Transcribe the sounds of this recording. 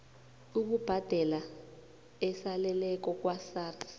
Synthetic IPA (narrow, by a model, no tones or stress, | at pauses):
uɓub̥ʱad̥ʱɛla | ɛsalɛlɛk̬ɔk̬wasaːrḁ